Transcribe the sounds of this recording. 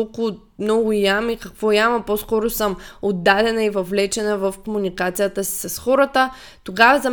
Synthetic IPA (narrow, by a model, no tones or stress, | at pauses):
lˠkʊ | mnɔɡʊjamikɐkvɔjamɐposkɔɾʊsəmod̪ːad̪ɛnəivɐvlɛt͡ʃɛnəvəfkomunikat̪sijət̪əsi̥sɐsxɔɾət̪ə | t̪oɡavəzɐ